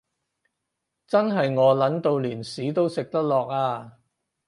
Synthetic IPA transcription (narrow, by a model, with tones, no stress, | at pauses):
t͡sɐ˥nɦɐ˨jŋɔː˨˧lɐ˨˥nt̪o˨wliː˨˩nsiː˨˥t̪o˥wsɪ˨k̚t̪ɐ˥k̚lɔː˨k̚aː˧